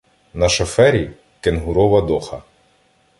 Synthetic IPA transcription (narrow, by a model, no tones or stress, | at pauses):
nɐʃɐfɛɾʲi | kenɦʊɾɔʋɐd̪ɔxɐ